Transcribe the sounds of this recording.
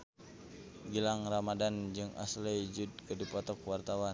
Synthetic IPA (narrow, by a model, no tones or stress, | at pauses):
ɡilaŋramadand͡ʒɨŋa̰slɛd͡ʒud̚kədipɔt̪ɔkwart̪awa